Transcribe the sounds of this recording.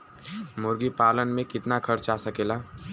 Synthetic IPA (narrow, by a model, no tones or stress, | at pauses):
mʊɾɡipaːlənmẽkɪt̪nakʰɐɾt͡ʃaːsɐkeːlaː